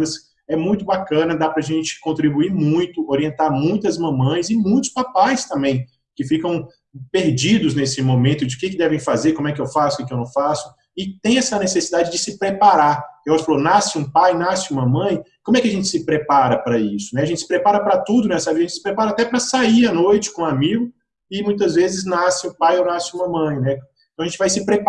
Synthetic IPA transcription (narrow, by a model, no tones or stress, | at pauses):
ɐs | ɛmũj̃t̪ʊbakɐ̃nɐd̪apɾɐʒẽnt͡ʃɪ̥kõnt̪ɾibuiɾmũj̃t̪ʊoɾiẽnt̪aɾmũj̃t̪ʊɐzmɐ̃mɐ̃j̃zɪmũj̃t̪ʊ̥spapajst̪ɐ̃mbẽj̃ | kɪfikɐ̃w̃ | peɾd͡ʒid̪ʊznesɪmõmẽnt̪ʊd͡ʒɪʊkɪkɪd̪ɛvẽj̃fazeɾkõmʊɛkɪewfasʊ̥kɪkɪewnɐ̃w̃fasʊ̥ | ɪt̪ẽj̃ɛsɐnesesid̪ad͡ʒɪd͡ʒɪsɪpɾepaɾaeɔɾɐfalonasɪũpajnasɪũmɐmɐ̃j̃kõmʊɛkɪɐʒẽnt͡ʃɪ̥sɪpɾepaɾɐpɾɐisʊnɛɐʒẽtt͡ʃɪsɪ̥pɾepaɾɐpɾɐt̪ud̪ʊnɛsɐaviʒɐẽt͡ʃɪsɪ̥pɾepaɾɐat̪ɛpɾɐsaianojt͡ʃɪ̥kõamiɡʊ | ɪmũj̃t̪̬ɐzvezɪznasɪʊpajownasɪũmɐmɐ̃j̃nɛ̃ | t̪ɐ̃ɐʒẽt͡ʃɪvajsɪpɾep